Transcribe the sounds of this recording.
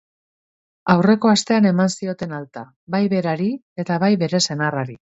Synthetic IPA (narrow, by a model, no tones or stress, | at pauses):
awre̞ko̞ast̪e̞ane̞mansio̞t̪e̞nalt̪a | bajβe̞ɾaɾi | e̞t̪aβajβe̞ɾe̞se̞naraɾi